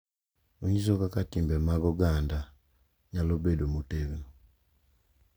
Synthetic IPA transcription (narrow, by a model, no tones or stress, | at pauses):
oɲizokakatiːmbemaɡoɡaːnda | ɲalobedomuteβi